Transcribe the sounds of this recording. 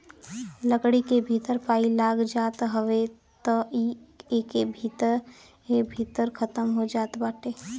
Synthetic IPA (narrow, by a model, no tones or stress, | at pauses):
ləkɽikebʱiːt̪əɾpaːilaːɡd͡ʒaːt̪ɦəʋe | t̪ɔieːkebʱiːt̪əɾ | ebʱiːt̪əɾkʰət̪əmɦod͡ʒaːt̪baːʈeː